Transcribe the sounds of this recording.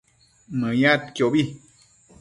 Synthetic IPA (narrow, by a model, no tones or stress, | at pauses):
mɨ̃jãt̪kjobi